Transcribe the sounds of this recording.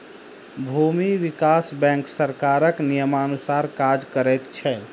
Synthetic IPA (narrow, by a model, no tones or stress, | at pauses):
bʱumiʋikasbɛ̃ŋksəɾkaɾəknijəmanusaɾkad͡ʒkəɾɛt̪t͡ʃʰɛ